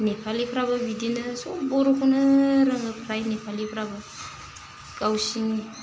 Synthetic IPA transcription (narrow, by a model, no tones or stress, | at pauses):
nepʰalipʰɾababidinɯsoboɾukunəɾaŋəpʰɾajnepʰalipʰɾaba | ɡ̥awsiŋ